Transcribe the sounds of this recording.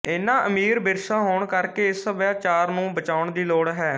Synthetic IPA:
ɪːnãːʔəmiːɾbɪɾʃaːɦoːɳkəɾkeːɪsəʋjaːt͡ʃaːɾnũːbət͡ʃaːʊɳd̪iːloːɽɦɛː

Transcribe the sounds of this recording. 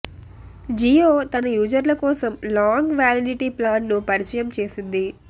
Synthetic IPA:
d͡ʒioːt̪ɐnɐjuːd͡ʒɐɾlɐkɔːsɐmlaːŋɡʋaːliɖiʈiplaːnːupɐɾit͡ʃɐjɐmt͡ʃe̞ːsind̪i

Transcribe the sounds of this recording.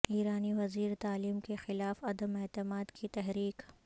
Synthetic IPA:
iːɾaːniʋɐziːɾt̪aːliːmkexɪlaːfɐd̪əmɛːt̪ɪmaːd̪kit̪ɛɦɾiːk

